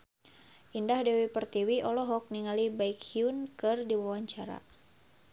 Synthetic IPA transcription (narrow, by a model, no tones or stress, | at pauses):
ʔindahdɛwipərt̪iwiʔɔlɔɦɔk̚niŋalibaikhiunkɨrdiwawaɲt͡ʃaɾa̰